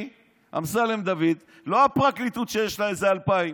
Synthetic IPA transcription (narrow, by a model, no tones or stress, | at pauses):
ʔa̰msalemd̪avid̪ | lo̞apʁaklit̪ut̪ʃejeʃlaezealpaim